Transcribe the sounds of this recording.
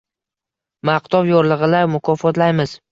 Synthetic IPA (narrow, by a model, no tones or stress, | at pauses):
maqt̪ɒbjɒɾlˠɨʁɨlaɾmʊkʰɒfɒt̪lajmɪz̥